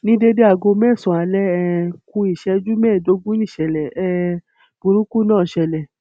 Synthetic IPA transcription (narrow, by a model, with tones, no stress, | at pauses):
nĩ˦de˦de˦a˧˨ɡo˧mɛ˦˨sɔ̃˨a˧˨lɛ˦ɛ˧ku˧˦i˨ʃɛ˧˦d͡ʒu˦mɛː˦˨do˨˦ɡũ˦jĩ˦˨ʃɛ˨lɛ˨ɛ˧˨ | bũ˨ɾũ˨˦ku˦nãː˦˨ʃɛ˧˨lɛ˨